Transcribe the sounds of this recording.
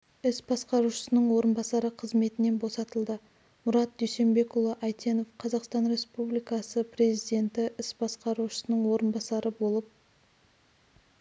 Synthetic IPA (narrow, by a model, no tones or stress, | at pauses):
ɪsbɑsqɑɾuʃə̥sənəɴwo̞ɾənbɑsɑɾəqʰəzme̞t̪ɪne̞nbo̞sɑt̪əlˠd̪ə | mʊɾɑt̪̚d̪ʏjse̞mbe̞kʊlˠəʔɑjt̪e̞no̞fqʰɑzɑqst̪ɑnɾe̞spublijkɑsəpre̞zijd̪ʲe̞nt̪ɪʔɪsbɑsqɑɾuʃə̥sənəɴwo̞ɾənbɑsɑɾəbo̞lˠəp̚